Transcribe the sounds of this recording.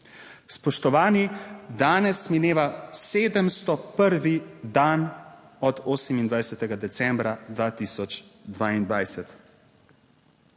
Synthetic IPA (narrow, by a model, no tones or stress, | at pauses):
spɔʃt̪ɔʋaːnid̪aːnɛsmineːʋaseːd̪əmst̪ɔpəɾʋid̪an | ɔd̪oːsɛmind̪ʋajsɛt̪ɛɡad̪ɛsɛ̃mbɾad̪ʋaːt̪iːsɔt͡ʃd̪ʋaːind̪ʋajsɛt̪